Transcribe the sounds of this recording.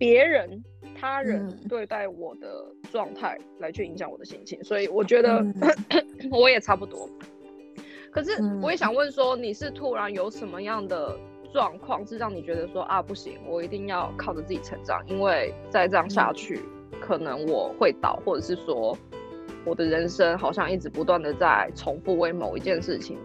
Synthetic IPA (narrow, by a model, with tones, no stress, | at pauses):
pjɛ˧˦˥ɻə˧˦n | t̪ʰa˥ɻə˧˦nt̪we˥˧ɪt̪a˥˩ɪwɔ˨˩d̪ə̰˩ʈ͡ʂwɑ˥˧ŋt̪ʰa˥˩ɪla˧˥ɪt͡ɕʰy˥˩i˧˥ŋɕjɑ˨˦ŋwɔ̰˨˩d̪ə˦ɕi˥nt͡ɕʰḭ˥nswɔ˧˥i˨˩wɔ˨˩t͡ɕɥɛ˧˥d̪ə˧ | wɔ˧˦jɛ˨˩ʈ͡ʂʰa˥pu˥˩t̪wɔ̰˥ | kʰɤ˨˩ʂ̬ɻ̩˥˩wɔ˧˦jɛ˨˥ɕjɑ˨˩ŋwə˥˨˩nswɔ˥ni˨˩ʂɻ̩˥˩t̪ʰu˧˥ɻa˧˥njo˧˥ʊʂə˧˦nmə˧jɑ˥˩ŋd̪ə˩ | ʈ͡ʂwɑ˥˧ŋkʰwɑ˥˧ŋʂɻ̩˥˧ɻɑ˥˩ŋni˨˩t͡ɕɥɛ˧˥d̪ə˧ʂwɔ˦˥ʔa˥˧˩pu˥˩ɕḭ˧˥ŋwɔ˨˩i˧˥t̪i˥˧ŋjɑ˥˧ʊkʰɑ˥˩ʊʈ͡ʂə˩t͡sɹ̩˥˩t͡ɕi˨˩t͡sʰə˧˥˦ŋʈ͡ʂɑ̰˨˩ŋi˥nwe˥˩ɪt͡sa˥˧ɪʈ͡ʂɤ˥˩ɑ˥ŋɕja̰˥˧t͡ɕʰy̰˥˩ | kʰɤ˨˩nə˧˦ŋwɔ̰˨˩xwe˥˩ɪt̪ɑ̰˨˩ʊxwɔ˥˩ʈ͡ʂɤ˨˩ʂɻ̩˥˩ʂwɔ˥ | wɔ˨˩d̪ə˦ɻə˧˦nʂə˥ŋxɑ˨˩ʊɕjɑ˥˧ŋi˥˩ʈ͡ʂɻ̩˧˩pu˧˦t̪wa˥˩nd̪ə˩t͡sa˥˩ɪt͡sʰo˧˥ŋfu˥˧we˥ɪmo˨˩ʊḭ˧˥t͡ɕjɛ˥˧nʂɻ̩˥˩t͡ɕʰḭ˨˦ŋ